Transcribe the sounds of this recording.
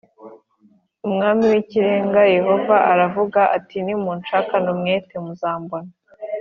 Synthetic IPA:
umŋaːmiwiciɾe̞ːŋɡaje̞ho̞vaʔaɾavuɡaʔatinimuːnt͡ʃaːkanumŋe̞ːtemuzaːmbona

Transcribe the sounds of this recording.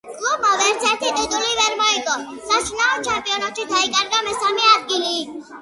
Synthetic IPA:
kʼlubmɔʋɛɾsʰɛt̪ʰit̪it̪ʼuliʋɛɾmɔikɔ | sat͡ʃʰnãnt͡ʃʰampʼijɔnɔt͡ʃ̪ʰid̪ʱaikʼaɾɡamɛsamiad̪̚ɡili

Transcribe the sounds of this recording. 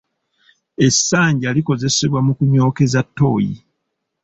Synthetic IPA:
e̞sːaːɲɟiaːliko̞ze̞se̞βwamukuɲo̞ːke̞zatːo̞ːjḭ

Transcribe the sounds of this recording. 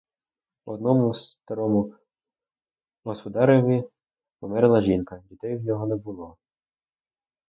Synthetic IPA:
ɔd̪nɔmʊst̪ɐɾɔmʊ | ɦɔspɔd̪ɑɾeʋʲi | pɔmɛɾelˠɐʒinkɐdʲid̪ɛjwnʲɔɦɔnɛbʊlˠɔ

